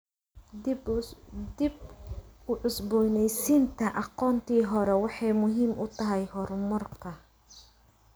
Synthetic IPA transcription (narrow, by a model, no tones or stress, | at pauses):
d̪ibʊʕʊsbɔnɛjsint̪ʰɐʔɑqɔːnt̪ʰiːɦɔɾɛwɑħɑjmʊɦiːmʔʊt̪ʰɐɦɛjɦɔrmʊrkʰɐ